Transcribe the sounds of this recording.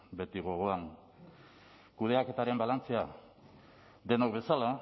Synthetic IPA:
be̞t̪iɣ̞o̞ɣ̞o̞an | kuð̞e̞ake̞t̪aɾe̞mbalant͡sea | d̪e̞nokbe̞sala

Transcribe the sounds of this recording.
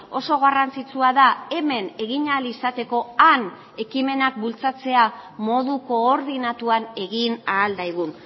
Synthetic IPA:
o̞so̞ɣarant͡sit͡suaðae̞me̞ne̞ɣiɲalisat̪e̞ko̞an | e̞kime̞nak̚bult͡sat͡se̞amo̞ð̞uko̞ːɾðinat̪uane̞ɣinaːld̪ajɣ̞un

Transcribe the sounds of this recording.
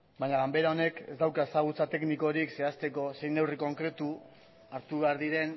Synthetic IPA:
bajɲaɣambe̞ɾao̞ne̞ke̞zd̪awkae̞saɣ̞ut͡sat̪e̞kniko̞ɾikse̞ast̪e̞ko̞se̞jne̞wriko̞ŋkɾe̞t̪u | aɾt̪uβe̞aɾðiɾe̞n

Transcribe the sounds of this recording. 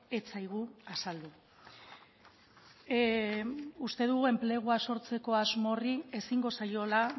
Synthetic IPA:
e̞t͡sajɣ̞uasald̪u | ust̪e̞ðuɣue̞mple̞ɣ̞uaso̞ɾt͡se̞ko̞azmo̞rie̞siŋɡo̞sajo̞la

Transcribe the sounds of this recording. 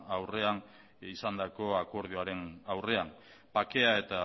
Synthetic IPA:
awre̞an | isand̪ako̞ako̞ɾð̞ioaɾe̞nawre̞ampake̞ae̞t̪a

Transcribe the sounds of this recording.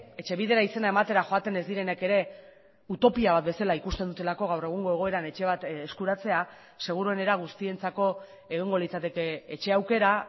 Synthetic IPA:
e̞t͡ʃe̞βið̞e̞ɾaise̞nae̞mat̪e̞ɾaxo̞at̪e̞ne̞zd̪iɾe̞ne̞ke̞ɾe̞ | ut̪o̞piaβat̪̚be̞salaikust̪e̞nd̪ut̪e̞lako̞ɣawre̞ɣ̞uŋɡo̞e̞ɣo̞e̞ɾanet͡ʃe̞β̞at̪eskuɾat͡se̞a | se̞ɣ̞uɾuene̞ɾaɣ̞ust̪ie̞nt͡sako̞ | e̞ɣ̞iŋɡo̞lit͡sat̪e̞keet͡ʃe̞awke̞ɾa

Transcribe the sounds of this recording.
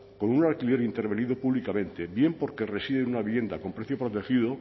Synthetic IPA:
ko̞nunalkilje̞ɾint̪eɾβe̞niðopuβlikamẽ̞nt̪e̞bje̞mpo̞ɾke̞resiðenunaβiβje̞nd̪ako̞mpɾeθjopɾo̞t̪e̞xiðo

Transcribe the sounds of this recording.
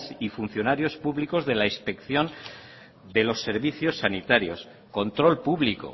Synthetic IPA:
sifun̟θjonaɾjo̞spuβliko̞zðe̞laispe̞kθjo̞n | d̪e̞lo̞sːe̞ɾβiθjo̞sːanit̪aɾjo̞s | ko̞nt̪ɾo̞lpuβliko̰

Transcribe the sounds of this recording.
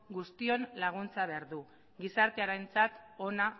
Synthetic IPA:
ɡust̪io̞nlaɣ̞unt͡saβe̞aɾðu | ɡisaɾt̪eaɾajnt͡sat̪o̞na

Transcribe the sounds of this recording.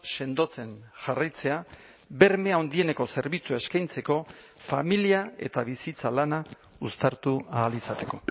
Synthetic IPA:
se̞nd̪o̞t͡se̞nʝarajt͡se̞a | be̞ɾme̞ao̞nd̪ie̞ne̞ko̞se̞ɾβit͡suaeskajnt͡se̞ko̞ | familiae̞̰t̪aβisit͡salana | ust̪aɾt̪uaːlisat̪e̞ko̞

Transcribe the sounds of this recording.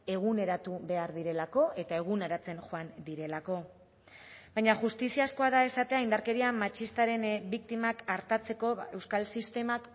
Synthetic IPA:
e̞ɣ̞une̞ɾat̪uβe̞aɾðiɾe̞lako̞ʔe̞t̪ae̞ɣ̞uneɾat͡se̞nxoand̪iɾe̞lako̞ | bajɲaʝust̪isiasko̞aðae̞sat̪e̞aind̪aɾke̞ɾiamat͡ʃist̪aɾe̞nbik̚t̪imakaɾt̪at͡se̞ko̞e̞wskalsist̪e̞mak

